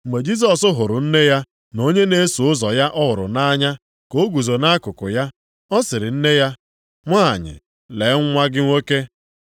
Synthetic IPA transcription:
ŋ͡m̩˨ɡ͡be˨d͡ʒi˦s̬ɔ˨sʊ˦ɦʊ˨ɾʊ˨n̩˦ne˦ja˦ | no˦ɲe˦ne˦su˨ʊ˦zɔ˨ja˦ʔɔ˦ɦʊ˨ɾʊ̰˨na˦ɲa˦ | ko˦ɡu˨zo˨na˦kʊ˨kʊ̰˨ja˦ | ɔ˦sɪ˨ɾɪ˨n̩˦ne˦ja˦ | ŋʷa˦˨ɲɪ̰˨ | le˨˦ŋ˦ŋʷa˦ɡɪ˦ŋʷo˦ke˦

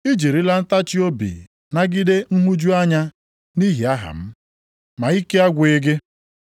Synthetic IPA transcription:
i˦d͡ʒi˨ɾi˦la˦n̩˦ta˦t͡ʃi˦o˦bḭ˨ | na˨ɡɪ˦de˦ŋ̩˦ɦu˦d͡ʒu˦a˦ɲa˦ | ni˦ɦi˨a˦ɦa̰˨m̩˦ | ma˨i˦ke˦a˦ɡʷʊ˨˦ɪ˦ɡɪ˦

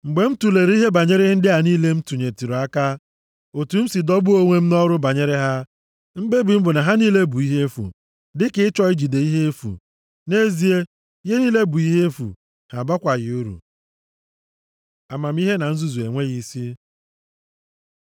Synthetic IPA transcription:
ŋ͡m̩˨ɡ͡be˨m̩˦tu˨le˨ɾi˦ɦe˦ba˨ɲe˦ɾe˦n̩˦dɪ˦a˨niː˦le˦m̩˦tu˨ɲe˨ti˨ɾo˨a˦ka˦ | o˨tu˨m̩˦si˨dɔ˦bʊ˦o˦ŋʷe˦m̩˦nɔ˦ɾʊ˦ba˨ɲe˦ɾe˦ɦa˦ | m̩˦be˦bi˨m̩˦bʊ˨na˨ɦa˦niː˦le˦bu˨i˦ɦe˦fṵ˨ | dɪ˦kɪ˦t͡ʃɔ˦i˦d͡ʒi˨de˨i˦ɦe˦e˦fṵ˨ | ne˦zi˦e˦ | ɣe˦niː˦le˦bu˨i˦ɦe˦fṵ˨ | ha˨ba˦kʷa˨ɣɪ˨u˦ɾṵ˨ | a˨ma˨m̩˦i˦ɦe˦na˨n̩˦zu˦˨zu˨e˨ŋʷe˦ɣi˦si˦

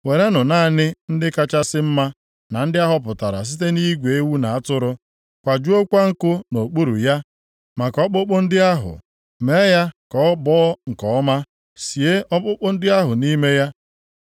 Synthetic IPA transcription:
we˨ɾe˦nʊ˨na˦˨nɪ˦n̩˦dɪ˦ka˦t͡ʃa˦sɪ˦m̩˦ma˦ | na˨n̩˦dɪ˦a˦ɦɔ˦p̬ʊ˨ta˨ɾa̰˨s̬i˦t̬e˦ni˦ɡʷe˨e˦wu˦na˨a˦tʊ˦ɾʊ˦ | kʷa˨d͡ʒu˦o˦kʷa˦ŋ̩˦kʊ˦no˨k͡pu˦ɾu˨ja˦ | ma˨kɔ˦k͡pʊ˦k͡pʊ˦n̩˦dɪ˦a˦ɦʊ̰˨ | me˨˦ja˦kɔ˨˦bɔ˦ɔ˦ŋ̩˨kɔ˨ɔ˦ma˦ | si˨e˦ɔ˦k͡pʊ˦k͡pʊ˦n̩˦dɪ˦a˦ɦʊ˨ni˦me˦ja˦

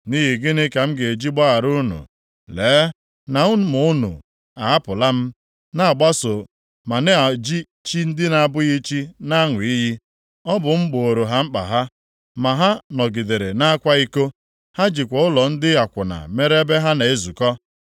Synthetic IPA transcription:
ni˦ɦi˨ɡɪ˦nɪ˦ka˨m̩˦ɡe˨d͡ʒi˦ɡ͡ba˦a˨ɾu˦nṵ˨ | leː˨˦ | na˨u˦nu˨mʊ˨˦ʊ˦nṵ˨ | a˨a˦pʊ˨la˦m̩˦ | na˦a˨ɡ͡ba˦so˨ | ma˨ne˦a˨d͡ʒi˦ | t͡ʃi˦n̩˦dɪ˦na˨bʊ˦ɣi˦t͡ʃi˦na˦ŋʷʊ˨i˦ɦi˦ | ɔ˦bʊ˨ŋ͡m̩˦ɡ͡bo˨o˨ɾo˨ɦa˦m̩˦k͡pa̰˨ɦa˦ | ma˨ɦa˦nɔ˨ɡi˨de˨ɾe˨na˦a˦kʷa˦i˦ko˦ | ha˦d͡ʒi˨kʷɔ˨ʊ˦lɔ˨n̩˦dɪ˦a˨kʷʊ˨na̰˨me˦ɾe˦be˦ɦa˦ne˨e˦zu˨kɔ˦

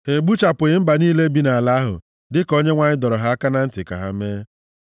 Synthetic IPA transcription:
he˨ɡ͡bu˦t͡ʃa˨pʊ˨ɣɪ˦m̩˦ba˨niː˦le˦bi˦na˨a˨la˦ɦʊ̰˨ | dɪ˦ko˦ɲe˦ŋʷa˨ɲɪ˦dɔ˨ɾɔ˨ɦa˦a˦ka˦na˦n̩˦tɪ˨ka̰˨ɦa̰˦meː˦

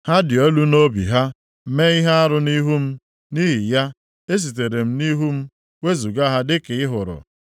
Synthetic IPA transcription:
ha˦dɪ˨o˦lu˦no˦bḭ˨ɦa˦ | me˦i˦ɦa˦a˦ɾʊ˦ni˦ɦu˦m̩˦ | ni˦ɦi˨ja˦ | e˦s̬i˨t̬e˨ɾe˨m̩˦ni˦ɦu˦m̩˦ | we˦zu˨ɡa˦ɦa˦dɪ˦ke˨ɪ˦ɦʊ˨ɾʊ̰˨

